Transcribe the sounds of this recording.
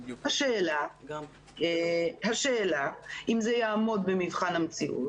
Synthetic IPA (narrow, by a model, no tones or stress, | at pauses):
haʃeːla | haʃeːlaʔimzejaːmo̞d̪bemivχanhamt͡siʔṵt